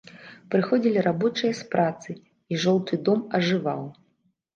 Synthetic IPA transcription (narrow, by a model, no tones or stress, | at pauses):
pɾɨxɔd͡zʲilʲiɾabɔt͡ʂɨjɐspɾat̪sɨ | iʐɔlˠt̪ʰɨd̪ɔmɐʐɨva̰w